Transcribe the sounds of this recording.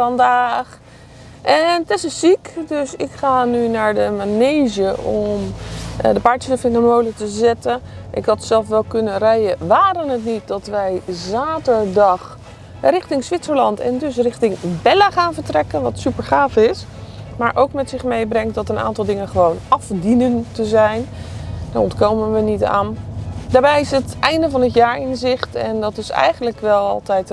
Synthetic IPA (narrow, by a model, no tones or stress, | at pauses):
ɑndaːχ | ʔɛntɪsəsikdøsɪkχaːnynaːɹdəmanejʒəɔmdəpaːɹtəsəfɪndəmowlətəzɛtənʔɪkɦɑtsɛlˠfʋɛlˠkɵnənrɛjəʋaːɾənətnit̚dɑtʋɛjzaːtəɹdɑχ | rɪχtɪŋsʋɪtsəɹlɑntɛ̰ndɵs̬rɪxtɪŋbɛlaχaːnvəɹtrɛkənʋɑtsypəɹχaːfɪsmaːɹʔowkmɛtsɪχmejbrɛŋt̚dɔtəna̰ːntɑlˠdɪŋənχəʋownɑfdinəntəzɛjndaɔntkowmənʋənita̰ːndaːɹbɛjɪsətɛjndəvɑnətjaːɹɪnzɪχtɛndɔtɪsɛ̰jχənləkʋɛlˠɑ̰lˠtɛjt